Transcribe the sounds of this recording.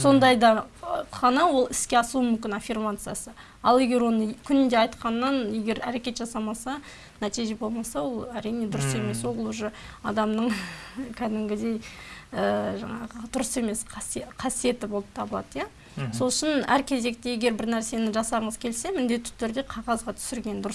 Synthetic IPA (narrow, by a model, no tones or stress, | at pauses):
so̞nd̪ɑjd̪ɑχɑnɑwo̞lˠɪskʲe̞ɑsəlˠumʏmkʲɪnɑfʲirmat̪sɨjasə | ɑlˠe̞ɡʲe̞ɾwo̞nəkʲʰʏnɪnd̪e̞ɑjt̪qɑnːɑnje̞ɡʲe̞ɾæɾe̞kʲe̞t̪ʒɑsɑmɑsɑ | næt̪ijʒe̞bo̞lˠmɑsɑwo̞lˠæɾijne̞d̪ʊɾəse̞me̞swolˠlˠuʒəɑ̰d̪ɑmnəɴkʲʰæd̪ɪmɡʲɪd̪e̞jəʒɑ̰ɴɑ̰ʁəd̪̥ʊɾəse̞me̞sqʰɑsqʰɑsije̞t̪ɪbo̞lˠəp̚t̪ʰɑbəlˠɑ̰d̪əja | so̞lˠəʃɪnæɾkʲʰe̞ze̞k̚t̪e̞je̞ɡʲe̞ɾbɪɾnæɾse̞nɪʒɑsɑɾəɴəzkʲʰe̞lse̞mɪnd̪e̞t̪ːɪ̥t̪ʰʏɾd̪e̞qʰɑʁɑzʁɑt̪ʰʏ̥sɪɾɡʲe̞nd̪ʊɾəs